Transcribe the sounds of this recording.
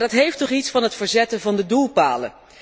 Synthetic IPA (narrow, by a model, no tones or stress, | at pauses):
dɑtɦejftɔχitsfɑnɦətfəɹzɛtənvɑndədulˠpa̰ːlə̰